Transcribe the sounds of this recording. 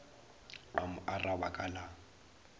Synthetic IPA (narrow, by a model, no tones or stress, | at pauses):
amʊʔarawakʼala